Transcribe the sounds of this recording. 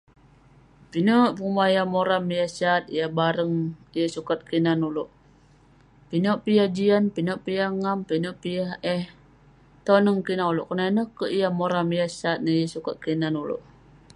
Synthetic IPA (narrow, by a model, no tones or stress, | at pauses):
pinoʔpumaijamoɾamijasat̪̚ḭjabaɾəŋijəsukat̪̚kinanuloʔ | pinoʔpijad͡ʒianpinoʔpijaŋampinoʔpijaɦɛh | t̪onəŋkinauloʔkənanəhkəijamoɾamijasat̪̚nəjəsukat̪̚kinanulo̰ʔ